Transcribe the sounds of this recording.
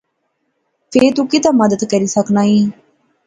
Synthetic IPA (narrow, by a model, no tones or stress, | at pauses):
pʰeːɾt̪ũkit̪ãːməd̪əd̪kəɾiːsəknaːiː